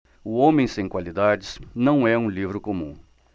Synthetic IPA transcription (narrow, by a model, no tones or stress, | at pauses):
ʊõmẽj̃sẽj̃kwalid̪ad͡ʒɪz̥nɐ̃w̃ɛũlivɾʊkõmũ